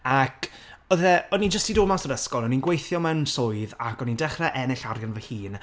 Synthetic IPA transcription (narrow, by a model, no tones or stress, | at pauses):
akʰɔðɛɔnind͡ʒəstidomasɔdəskɔlˠɔninɡwejθjɔmɛwnsʊːɨðakʰɔnindɛχrɛʔɛnɪɬarjɔnvəhiːn